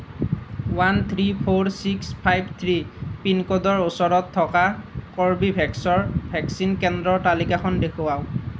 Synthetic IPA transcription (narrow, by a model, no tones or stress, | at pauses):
want̪ʰɹipʰoɹsikspʰajbt̪ʰɹipinkɔdɔɹosɔɹɔtʰːɔkakɔɹbibʱɛksɔɹbʱɛksinkɛndɹɔɹtalikaxʰɔndekʰʊwaw